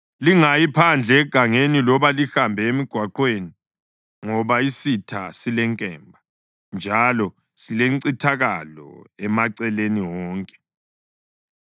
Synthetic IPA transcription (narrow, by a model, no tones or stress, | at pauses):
liŋajipʰand͡ɮʱɛːɡ̥ʱaŋenilɔβalixambʱɛemiɡ̥ʱwaǃweni | ŋɔβaisitʰa̰silɛŋkʼɛːmbʱa | nd͡ʒʱalɔ | sileŋǀitʰaɣalɔ̰ɛmaǀɛleniwɔːŋkʼɛ̥